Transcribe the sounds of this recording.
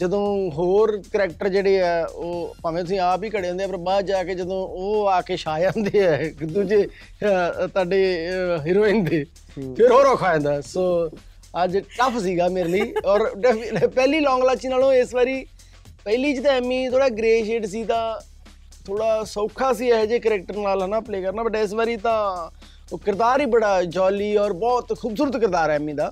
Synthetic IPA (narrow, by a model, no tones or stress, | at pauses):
d͡ʒəd̪õːɦoːɾkəɾɛːk̚ʈəɾd͡ʒeːɽeːɛːoːpãːʋẽːt̪ʊsĩːaːpiːkəɽeːõnd̪eɛːpəɾbaːd͡ʒaːkeːd͡ʒəd̪õːoːaːkeːʃaːjãːnd̪eːɛːd̪uːd͡ʒeː | t̪ʊaːɖeːɦɪɾoːɪ̃nd̪eː | pʰɪɾɦoːɾɔːkʰaːẽːnd̪aːsoː | əd͡ʒʈəpʰsiːɡaːmeːɾliːɔːɾɖɛpɛːliːlɔ̃ːŋɡlat͡ʃiːnaːlõːɪsʋaːɾiː | pɛːliːd͡ʒɪt̪ãːɛːmĩːt̪ʰoːɽaːɡɾeːʃeːʈs̬iːt̪ãː | t̪ʰoːɽaːsəːkʰaːs̬iːɛd͡ʒeːkəɾɛːk̚ʈəɾnaːlɦənaːpleːkəɾnaːbəʈːaːɪs̬baːɾiːt̪ãː | kɪɾd̪aːɾiːbəɽaːd͡ʒɔːliːɔːɾbɔːt̪kʰuːbsuːɾət̪kɪɾd̪aːɾɛːmĩːd̪aː